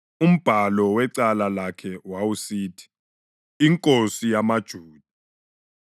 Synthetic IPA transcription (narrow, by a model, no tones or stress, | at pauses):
um̩b̥ʱalɔwɛǀalalakʰɛwawusiːtʰi̥ | iŋkʼosijamad̥ʒ̥ʱuːd̥ʱu̥